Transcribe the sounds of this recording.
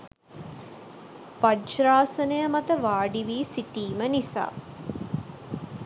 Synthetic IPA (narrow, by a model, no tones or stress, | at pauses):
ʋad͡ʒɾaːsənəjəmat̪əʋaːɖiʋiːsiʈiːmənisa̰ː